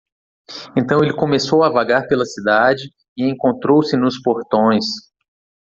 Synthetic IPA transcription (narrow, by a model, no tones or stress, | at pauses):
ẽnt̪ɐ̃w̃elɪkõmesowavaɡaɾpelɐsid̪ad͡ʒɪ | ɪẽkõnt̪ɾowsɪnʊspoɾt̪õj̃s